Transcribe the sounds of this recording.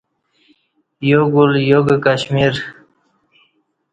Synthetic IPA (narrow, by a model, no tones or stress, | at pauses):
joɡuljoɡakaɕmiɾ